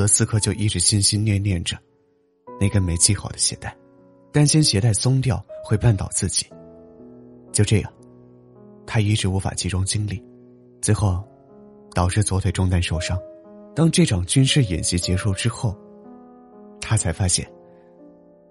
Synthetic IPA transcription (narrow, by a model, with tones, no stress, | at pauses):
t̪ɤ˧˥sɹ̩˥˧kʰɤ˥˧t͡ɕjo˥˧ʊʔi˥˩ʈ͡ʂɻ̩˧˥ɕi˥˧nɕi˥nnjɛ˥˧njɛ˥˩nʈ͡ʂə˩ | na˥˩ɡə˦me˧˥ɪt͡ɕʰi˥˩xɑ˨˩ʊd̪ə̥˦ɕjɛ̰˧˥t̪a˥˩ɪ | t̪a˥˩nɕjɛ˥nɕjɛ˧˥t̪a˥˩ɪsʊ˥ŋt̪jɑ˥˧ʊxwe˥˧ɪpa˥˩nt̪ɑ˨˩ʊt͡sɹ̩˥˩t͡ɕi̥˨˩˦ | t͡ɕjo˥˧ʈ͡ʂɤ˥˧˩jɑ̰˥˩ŋ | t̪ʰa˥i˧˥ʈ͡ʂɻ̩˧˥u˧˥fa̰˨˩t͡ɕʰi˧˥ʈ͡ʂʊ˥ŋt͡ɕi˥ŋli˥˩ | t͡sɹe˧˥ɪxo˥˩ʊ | t̪ɑ˨˩ʊʈ͡ʂɻ̩˥˩t͡swɔ˧˥t̪ʰwe˨˩ɪʈ͡ʂʊ˥˧ŋt̪a˥˧nʂo˥˩ʊʂɑ˥ŋt̪ɑ˥ŋʈ͡ʂɤ˥˩ʈ͡ʂʰɑ˨˩ŋt͡ɕy˥nʂɻ̩˥˩jḭ˨˩nɕi˧˥t͡ɕjɛ˧˥ʂu˥˩ʈ͡ʂɻ̩˥xo˥˩ʊ | t̪ʰa˥t͡sʰa˧˥ɪfa˥ɕjɛ̰˥˩n